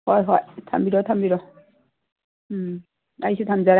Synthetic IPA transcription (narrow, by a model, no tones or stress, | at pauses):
hɔjɦɔjtʰa̰mbiɾɔt̪ʰambiɾɔ | ajsut̪ʰamzaɾ